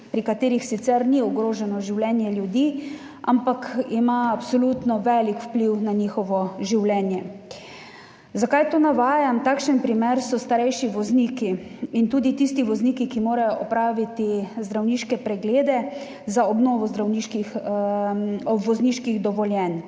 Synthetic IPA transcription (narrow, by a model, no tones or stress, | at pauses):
pɾikat̪eːɾixsit̪sɛɾniɔɡɾoːʒɛnɔʒiwlʲɛːnjɛljud̪iː | ʔa̰mpakimaːpsɔluːt̪nɔʋɛlikwpliwnaniːxɔʋɔʒiwlɛːnjɛ | zakajt̪oːnaʋaːjamt̪aːkʃənpɾimeɾsɔst̪aɾɛjʃiʋɔzniːkiint̪uːd̪it̪ist̪iʋɔzniːkikimoːɾajɔʔɔpɾaːʋit̪izd̪ɾawniːʃkɛpɾɛɡleːd̪ɛ | zaɔbnɔːʋɔzd̪ɾawniːʃkix | ɔʋɔzniːʃkiɣd̪ɔʋɔljɛn